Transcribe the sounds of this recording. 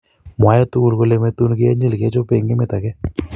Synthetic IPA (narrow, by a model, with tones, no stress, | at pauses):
ma˨jat̪u˦ulkolemet̪ːu˦nke˦ɲi˦lke˦t͡ʃope˨ŋɡe˦met̪a˨ke˦